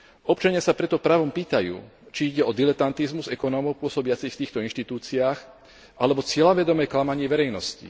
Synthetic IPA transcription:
ɔpt͡ʃaɲɪasapɾɛt̪ɔpɾaʋɔmpiːt̪ajṵː | t͡ʃiiɟɛɔd̪ilɛt̪ant̪izmuzɛkɔnɔmɔʊpʊɔsɔbɪat͡sixft̪iːxt̪ɔinʃt̪it̪uːt͡siaːx | ʔalɛbɔt͡sɪɛlaʋɛd̪ɔmɛjklamaɲɪɛʋɛɾɛjnɔscḭ

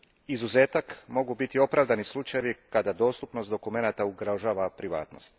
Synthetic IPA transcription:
izuzeːt̪akmo̞ɡubit̪io̞pɾaːʋd̪anislˠut͡ʃajeʋikad̪ad̪o̞ːst̪upno̞st̪d̪okume̞nat̪auɡɾaʒaːʋapɾiʋa̰ːt̪no̞̰st̪

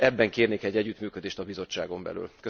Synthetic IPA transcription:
ɛbːɛŋkeːrneːkɛɟːɛɟːyt̪myːkød̪eːʃt̪ɒbizo̞t͡ʃːaːɡo̞mbɛ̰ly̰lkø

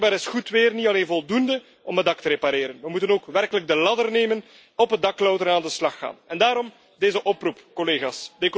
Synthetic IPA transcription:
baːɾɪsxutʋɪːrnitɑleːnvɔlˠdundə | ɔmədɑktəɾepaɾeːɾənʋəmutənoːkʋɛrkələɡ̚dəlɑdərneːmən | ɔpədɑklɔwtərnaːndəslɑxːa̰ːnɛndaːɾɔm | deːzəʔɔprupkɔleːɣaːsdek

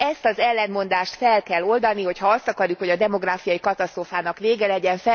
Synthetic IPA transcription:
ɛst̪ɒzɛlːɛnmo̞nd̪aːʃt̪fɛlkɛlːo̞ld̪ɒniho̞chɒɒst̪ɒkɒɾjukho̞ɟɒd̪ɛmo̞ɡraːfijɒjikɒt̪ɒst̪roːfaːnɒkveːɡɛlɛɟɛɱfɛ

